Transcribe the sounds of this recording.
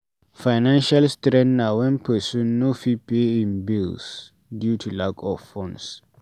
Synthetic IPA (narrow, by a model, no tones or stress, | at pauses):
fajnãnʃalstɾɛ̃nnawɛ̃npʰɛsũnːofipeĩnbils | djutʰulakʰɔffɔ̃ns